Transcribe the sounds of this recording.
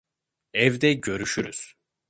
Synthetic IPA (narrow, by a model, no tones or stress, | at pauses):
ɛvd̪ɛɟø̞ɾyʃyɾyz̥